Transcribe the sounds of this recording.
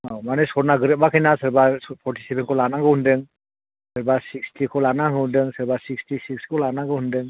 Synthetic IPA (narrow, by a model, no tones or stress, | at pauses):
amanɯsɔɾnaɡɯɾɯt̚bakʰɯjnasɯɾbapʰɔɾtʰi̥sebenkʰɔlanaŋɡɯhundɯŋ | sɯɾbasikstʰikʰɔlanaŋɯundɯŋsɯɾbasikstisik̚skʰɔlanaɡɯhundɯŋ